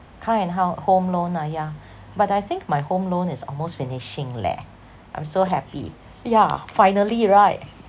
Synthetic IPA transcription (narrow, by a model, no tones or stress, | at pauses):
kʰãɪɛ̃nɦaʊhõmlõnaja | batajθɪ̃ŋk̚majhõmlõnɪsɔ̰lmostfinɪʃɪ̃ŋlɛ̰ | ʔã̰j̃msoɦɛpḭ | jafaɪjnəliɹaɪt̚